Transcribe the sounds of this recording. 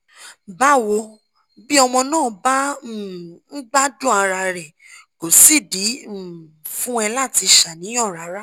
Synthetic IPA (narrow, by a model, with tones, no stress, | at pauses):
ba˦wo˧ | bi˦ɔ˧mɔ̃˧nãː˦˨ba˦˨ | n̩˦ɡ͡ba˦dũ˦a˧ɾa˧ɾɛ˨ | ko˨si˦˨di˨˦˨ | fũ˦ɛ˧la˦˨ti˧ʃa˨nĩ˨˦j̃ɔ̃˦˨ɾa˨˦ɾa˦